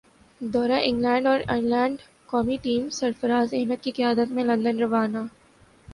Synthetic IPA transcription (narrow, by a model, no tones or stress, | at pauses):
d̪ɔːɾaʔɪ̃ŋɡlɛ̃ːɳɖɔːɾɪnlɛ̃ːɳɖ | kɔːmiʈiːmsɐɾfəɾaːzeɦmət̪̚kikɪjaːd̪ət̪mẽlɐ̃nd̪ənɾɐʋaːnaː